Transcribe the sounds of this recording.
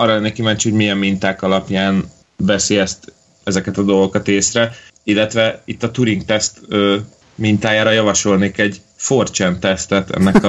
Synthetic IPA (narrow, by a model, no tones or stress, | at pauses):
ɒrːɒlɛnːɛkimɛɲt͡ʃho̞ɟmijɛmːint̪aːkɒlɒpjaːn | vɛsiɛst̪ | ɛzɛkɛt̪ɒd̪o̞lɡokɒt̪eːsrɛilːɛt̪ʋɛit̪ːɒt̪uɾiŋkt̪ɛst̪øː | mint̪aːjaːɾɒjɒvɒʃo̞lneːkɛɟ | fort͡ʃɛnt̪ɛst̪ɛt̪ɛ̰nːɛk